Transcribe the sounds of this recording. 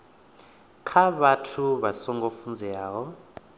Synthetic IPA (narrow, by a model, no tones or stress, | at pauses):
kʰaβatʰuβasɔŋɡʱofund͡zʱɛjaːwɔ